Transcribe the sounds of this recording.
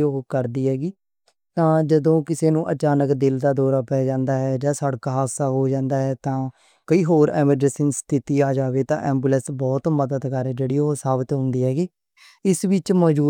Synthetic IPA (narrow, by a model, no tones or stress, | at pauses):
okəɾd̪iːɦɛːɡiː | t̪ãːd͡ʒəd̪õːkɪseːnũːʔət͡ʃaːnəkd̪ɪld̪aːd̪ɔːɾaːpɛːd͡ʒãːnd̪aːɦɛːd͡ʒaːsəɽkaːɦaːsaːɦoːd͡ʒãːnd̪aːɦɛːt̪ãː | kəiːɦoːɾɛːməɖəsənst̪ʰɪt̪iːaːd͡ʒaːʋeːt̪ã̰ːʔɛːmbuːlə̃nsbɔːt̪məd̪əd̪kəɾd͡ʒeːɽiːɦoːsaːbɪt̪ɦʊ̃nd̪iːɦɛːɡiː | ɪsʋɪt͡ʃməd͡ʒuː